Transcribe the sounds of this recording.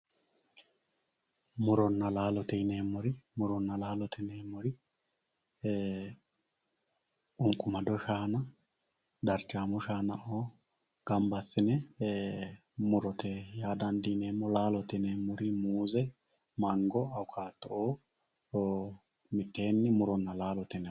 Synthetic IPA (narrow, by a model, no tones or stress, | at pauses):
mʊɾɔnːɐlaːlɔt̪ɛneːmːɔɾɪmʊɾɔnːɐlaːlɔt̪ʰɛneːmːɔɾɪ | ʔʊŋkʼːʊmɐd̪ɔʃaːnɐ | d̪ɐɾt͡ʃʼːaːmʊʃaːnɐʔoː | ɡ̥ɐmbɐsːɪnɛ | mʊɾɔt̪ʰɛjaːd̪ɐnd̪ɪneːmːɔlaːlɔt̪ɛneːmːɔɾɪmuːzɛ | mɐŋɡɔɐwʊkʰaːt̪ːɔʔoː | mɪt̪ːe̞ːnːɪmʊɾɔnːɐlaːlɔt̪ɛnɛ